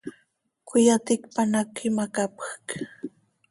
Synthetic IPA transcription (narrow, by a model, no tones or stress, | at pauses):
kʊjat̪ɪkpanakɪmakapḁk